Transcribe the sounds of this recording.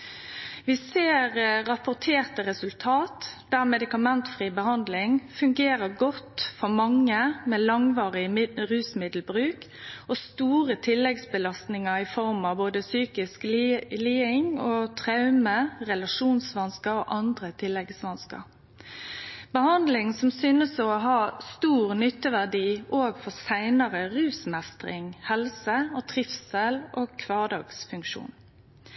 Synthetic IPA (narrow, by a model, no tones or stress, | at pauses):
ʋɪseːʁːɑpʊʁt̪ʰeːʁt̪əɾɛsʉlt̪ʰɑːt̪d̪̥æːʁmɛd̪ɪkɑmɛnt̪fʁiːbəhɑnd̪lɪŋfʉŋɡeːʁəɡɔt̪fɔmɑŋːəmeːlɑŋʋɑːʁɪɾʉːsmɪd̪l̩bɾʉːk | ost̪uːʁət̪ʰɪlːɛɡsbəlɑst̪nɪŋəɪfɔɾmɑboːd̪əsyːkɪsk̪liːɪŋoːt̪ʰʁɑʉməʁɛlɑʃuːnsʋɑnskəɾoːʔɑnd̪ʁət̪ʰɪlːɛɡsʋɑnskɑ̰ʁ | bəhɑnd̪lɪŋsɔmsyːnəsɔɦɑːst̪uːʁnʏt̪ːəʋæʁɖiːʔoːɡfɔʁsæɪnəʁəʁʉːsmɛst̪ʁɪ̰ŋhɛlsəɔt̪ʰʁɪfsɛlʔoːkʰʋɑːd̪ɑːɡsfʉŋkʃṵːn